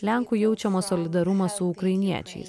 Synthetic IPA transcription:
lʲæŋkʊjɛʊt͡ʃʲɛmɐsɔːlʲɪd̪ɐɾʊmɐsʊʊkɾɐɪnʲiɛt͡ʃʲɛ̰ɪs

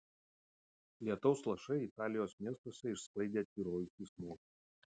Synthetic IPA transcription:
lʲiɛt̪ɔʊslˠɐʃɐɪɪt̪ɑːlʲɪjoːsmʲiɛst̪oːsʲɛɪʃsklˠɐɪd̪ʲeːt̪ʲiːɾoːjɪsʲismoːkʲi

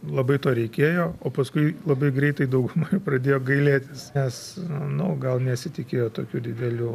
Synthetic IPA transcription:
lˠɐbɐɪt̪oːɾʲɛɪkʲeːjoːoːpɐskʊɪlˠɐbɐɪɡɾʲɛɪt̪ɐɪd̪ɐʊɡʊmoːjprɐd̪ʲeːjoːɡɐɪlʲeːt̪ʲɪsnʲɛsnʊɡɐlˠnʲɛsʲɪt̪ʲɪkʲeːjoːt̪oːkʲuːd̪ʲɪd̪ʲɛlʲuː

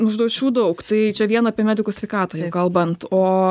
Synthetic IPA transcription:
nʊʒd̪ɐʊt͡ʃʲuːd̪ɐʊkt̪ɐɪt͡ʃʲɛʋʲiɛnɐːpʲiɛmʲæːd̪ʲɪkusʲʋʲɛɪkɑːt̪ɐːjɛʊkɐlˠbɐnt̪oː

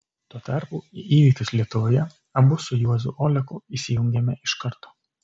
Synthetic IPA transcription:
t̪uɔt̪ɐˑɾpuːʔiːʋʲiːkt̪ʲʊslʲiɛt̪ʊʋoːjɛ | ɐbʊsʊjuɔzʊ̰ʔoːlʲɛkʊiːsʲɪjʊŋʲɡʲɛmʲɛʔɪʃkɐɾt̪oː

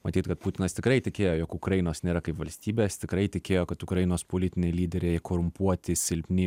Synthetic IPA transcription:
mɐt̪ʲiːt̪kɐt̪̚put̪ʲɪnɐst̪ʲɪkɾɐɪt̪ʲɪkʲeːjoːjoːkʊkɾɐjɪnoːsnʲeːɾɐkɐɪpʋɐlʲsʲt̪ʲiːbʲeːst̪ʲɪkɾɐɪt̪ʲɪkʲeːjoːkɐt̪ʊkɾɐjɪnoːspolʲɪt̪ʲɪnʲeɪlʲiːd̪ʲɛɾʲekʰoːɾʊmpuɔt̪ʲɪsʲɪlʲpʲnʲɪ

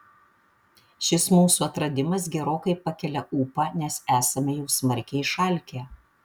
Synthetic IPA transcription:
ʃʲɪsmuːsuɐt̪ɾɐd̪ʲɪmɐs̬ɡʲɛɾoːkɐɪpɐkʲɛlʲɛʔuːpɑːnʲɛsæːsɐmʲɛjɛʊsmɐɾʲkʲɛɪɪʃɐlʲkʲe

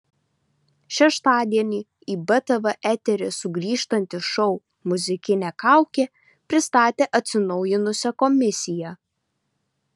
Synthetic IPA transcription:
ʃʲɛʃt̪ɑːd̪ʲiɛnʲiː | iːbɐt̪ɐʋɐʔæt̪ʲɛɾʲɪsʊɡɾʲiːʃt̪ɐnʲt̪ʲɪʃɔʊ | mʊzʲɪkʲɪnʲɛkɑˑʊkʲe | pʲɾʲɪst̪ɑːt̪ʲeːʔɐt̪ʲsʲɪnɒʊjɪnʊsʲɛkɔmʲɪsʲɪjɛ

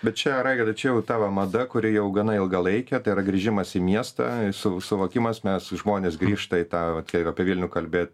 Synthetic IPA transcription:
bʲɛt̪t͡ʃʲɛɾɐɪɡʲɐd̪ɐt͡ʃʲɛjɛʊt̪ɑːʋɐmɐd̪ɐkʊɾʲɪjɛʊɡɐnɐɪlˠɡɐlˠɐɪkʲɛt̪ɐɪiɾɐɡɾʲiʒʲɪmɐsimʲiɛst̪ɑ̰sʊsʊʋoːkʲɪmɐsmʲɛsʒmoːnʲeːsɡɾʲiːʃt̪ɐɪt̪ɑːʋɐt̪kʲɛɪɐpʲiɛʋʲilʲnʲʊːkɐlʲbʲeːt̪̚ʲ

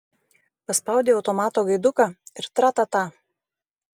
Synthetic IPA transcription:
pɐspɐˑʊd̪ʲeːɐʊt̪ɔmɑːt̪oːɡɐɪd̪ʊkɑːɪɾt̪ɾɑːt̪ɐt̪ɑː

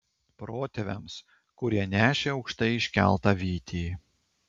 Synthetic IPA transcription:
pɾoːt̪ʲɛʋʲɛms | kʊɾʲiɛnʲæːʃʲeːɒʊkʃt̪ɐɪɪʃʲkʲæ̰lˠt̪ɑʋʲiːt̪ʲiː

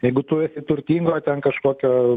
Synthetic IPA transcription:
jɛɪɡʊt̪ʊɪsʲɪt̪ʊɾʲt̪ʲiːŋɡoːt̪ʲɛnkɐʃkoːkʲoː

